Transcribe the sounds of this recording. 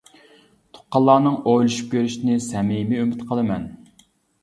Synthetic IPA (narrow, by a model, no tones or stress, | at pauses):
t̪ʰʊ̥qːɑlˠːɑːnɨŋojlˠuʃu̥p̚kʲʰøɾyʃnɪsɛmimɪymɪt̪qʰəlˠɨmɛn